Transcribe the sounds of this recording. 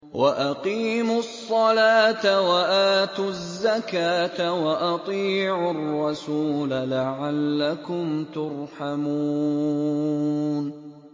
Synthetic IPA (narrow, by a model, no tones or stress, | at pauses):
wʔaʔaqiːmʊsˤːɑlaːt̪awaʔaːt̪ʊzːakaːt̪awaʔɑt̪ˤiːʕʊɑrˤːɑsuːlalaʕalːakʊmt̪ʊɾˤħamuː | n